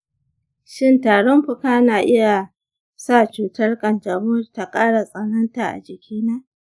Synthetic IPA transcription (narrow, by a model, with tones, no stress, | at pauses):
ʃɪ˦˨ntaː˨ɽɔ˦mɸʊ˦kaː˦naː˨ʔɪ˦ja˨ | sa˦˨t͡ʃuː˨tɐ˦rkʼɐ˨nd͡ʒa˨bʊː˦rta˨kʼaː˦ɽa˨sʼɐ˨nɐ˦nta˨ʔa̰˨d͡ʒɪ˨kʲʰiː˦naː˦ʔ